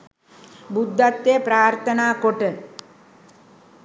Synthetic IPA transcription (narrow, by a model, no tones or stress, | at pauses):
bud̪ʱːɐt̪ːjepɾaːɾt̪ʰɐnaːkoʈə